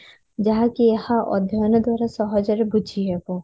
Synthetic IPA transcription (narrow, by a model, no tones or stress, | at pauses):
d͡ʒaɦãkijehãʔɔ̰d̪ʱjɔnɔd̪waɾasɔɦɔd͡ʒɔɾebud͡ʒʱiɦɛbo